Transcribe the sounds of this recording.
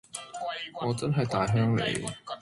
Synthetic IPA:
ŋɔː˨˧t͡sɐ˥nɦɐ˨jt̪aː˨˩jɦœː˥ŋlḛ˨˩j

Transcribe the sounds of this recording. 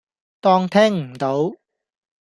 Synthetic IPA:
t̪ɔː˥ŋt̪ʰɛː˥ŋm̩˨˩t̪o˨˧˥w

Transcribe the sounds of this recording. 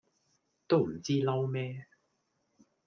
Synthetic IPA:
t̪o˥wm̩˨˩t͡siː˥lɐ˥wmɛː˥

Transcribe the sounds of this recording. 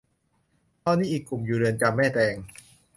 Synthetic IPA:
t̪ʰɔː˧nːiː˦˥ʔiː˨˩kːu˨˩mjuː˨˩ɾɯ˧ənt͡ɕa˧mːɛː˥˩t̪ɛː˧ŋ

